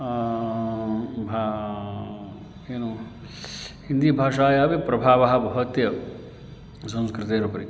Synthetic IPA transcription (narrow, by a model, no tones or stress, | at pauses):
bʱa | eːnu | hind̪iːbʱaːʂaːjaːʋipɾɐbʱaːʋɐɦɐ̆bʱɐɦɐt̪jɐ | sɐ̃w̃skɾɪt̪eːɾɐpɐɾi